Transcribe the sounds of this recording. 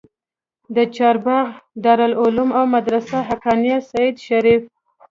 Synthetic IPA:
d̪ət͡ʃɑɾbaɣd̪ɑɾalʊlʊmawmad̪ɾasaɦakɑnijasajid̪ʃaɾif

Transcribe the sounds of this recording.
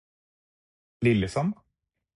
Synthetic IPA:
lɪlːəsɑm

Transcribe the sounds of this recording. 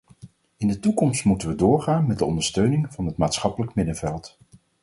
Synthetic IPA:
ɪndətukɔmstmutənʋədʊːɹχaːnmɛt̚dəɔndəɹstøɥnɪŋvɑnɦətmaːtsχɑpələkmɪdənvɛlˠt

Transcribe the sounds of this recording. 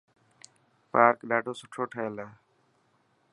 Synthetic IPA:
paːɾkɗaːʈoːsʊʈʰoːʈʰəːlɛː

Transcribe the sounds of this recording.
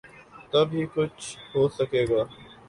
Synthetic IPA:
t̪ɐbʱiːkʊt͡ʃʰɦoːsəkeːɡaː

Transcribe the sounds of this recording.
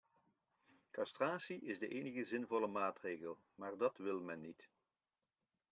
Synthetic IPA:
kɑstraːsiʔɪzdəʔejnəɣəzɪnvɔləmaːtrejɣəlˠ | maːrdɑtʋɪlˠmɛnːit

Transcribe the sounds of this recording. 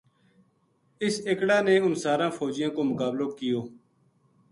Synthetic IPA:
ɪseːkɽaːneːʊnsaːɾãːfɔːd͡ʒɪjãːkoːmʊkaːbloːkɪjoː

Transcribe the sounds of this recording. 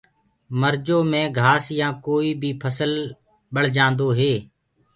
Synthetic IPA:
məɾd͡ʒoːmẽːɡʱaːsjãːkoːiːbʱiːpʰəsəl | ɓəɽd͡ʒãːnd̪oːɦeː

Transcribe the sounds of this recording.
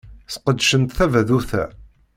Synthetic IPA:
θqəd̪ʃənt̪θævæðuθæ̰

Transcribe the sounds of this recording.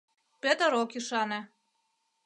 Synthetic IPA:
pet̪ə̆ɾokiʃɑnĕ

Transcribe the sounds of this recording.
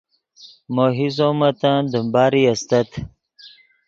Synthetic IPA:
moːɦizoːmɐt̪ãd̪əmbɑːɾiɐst̪ɐt̪

